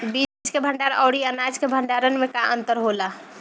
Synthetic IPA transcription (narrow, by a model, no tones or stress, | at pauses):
bid͡ʒkebʱəɳɖaɾɔ̰ːɽiənad͡ʒkebʱəɳɖaɾənmekaʔənt̪əɾɦola